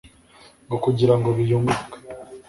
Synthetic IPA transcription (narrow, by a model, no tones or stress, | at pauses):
ŋɡokuɟiɾaŋɡo̞βijumbukḁ